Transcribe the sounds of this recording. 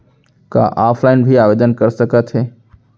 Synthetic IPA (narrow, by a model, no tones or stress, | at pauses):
kã̰ːʔaːpʰlaːɪnbʱiaːʋeːd̪ənkɐɾsɐkət̪ɦeː